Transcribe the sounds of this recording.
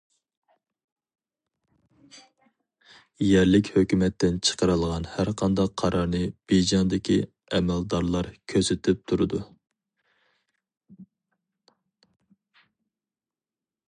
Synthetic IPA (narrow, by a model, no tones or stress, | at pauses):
jɛɾlɪkʲhøkʲymɛt̪ːɪnt͡ʃʰə̥qəɾɨlˠʁɑnhæɾqʰɑnd̪ɑqʰːɑɾɑɾnɨb̥ed͡ʒɑnd̪ɪkʲʰi | ɛmɛld̪ɑɾlˠɑɾkʲʰøzɪt̪ʰɪp̚t̪ʰuɾɨd̪u